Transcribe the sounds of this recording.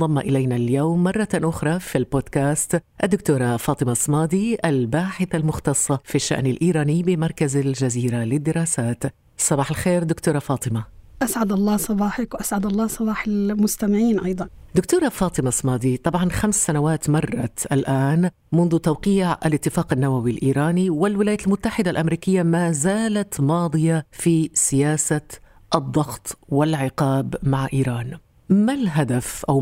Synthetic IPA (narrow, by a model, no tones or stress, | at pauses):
ɑmːɑʔɪlajnaljoːmːɑrˤːɑʔʊxɾˤɑfilboːd̪kaːst̪ʔad̪ːʊkt̪uːɾˤɑfɑːt̪ˤɨmasˤːmɑːd̪iʔalbaːħɪθalmʊxt̪ɑsˤːɑfiʃːa̰ʔnalʔiːɾˤɑːniːbɪmɑɾˤkazald͡ʒaziːɾalɪd̪ːɪɾɑːsaːt̪ | sˤɑbɑːħɪlxeːɾd̪ʊkt̪uːɾˤɑfɑːt̪ˤɪmaʔasʕad̪ɑlˤːɑːsˤɑbɑːħakwʔasʕad̪ɑlˤːɑːsˤɑbɑːħɪlmʊst̪amɪʕiːnʔɑjd̪ˤɑnd̪ʊkt̪uːɾˤɑfɑːt̪ˤɪmasˤmɑːd̪it̪ˤɑbʕɑnxamsːanawaːt̪mɑrˤːɑ̰ʔalʔaːn | mʊnðʊt̪awqiːʕʔa̰lɪt̪ːɪfaːqanːawawilʔiːɾˤaːniwɪlwɪlaːjaʔlmʊt̪ːaħɪd̪alʔamɾiːkɪjːamaːzaːlat̪mɑːd̪ˤɨjafisɪjaːsa | ʔɨd̪ˤːɑɣt̪ˤwɪlʕɪqɑːbmaʕʔiːɾˤɑːn | malɦad̪afʔaw